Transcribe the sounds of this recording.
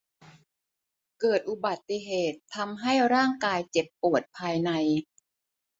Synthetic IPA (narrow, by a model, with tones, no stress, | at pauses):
kɤː˨˩t̪̚ʔu˨˩ba˨˩t̪ːi˨˩ɦeː˨˩t̪ʰːa˧mɦa˥˩jɾaː˥˩ŋkaː˧jt͡ɕe˨˩pːu˨˩ət̪̚pʰaː˧jna˧j